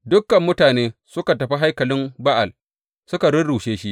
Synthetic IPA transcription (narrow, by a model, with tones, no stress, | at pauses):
dʊ˦kːɐ˨mːʊ˦taː˨neː˦sʊ˦ka˨tɐ˨ɸi˦ɦa˦jkɐ˨lɪ˦mba˦ʔa˨l | sʊ˦ka˨ɽʊ˦ɽuː˨ʃeː˦ʃi˦ʔ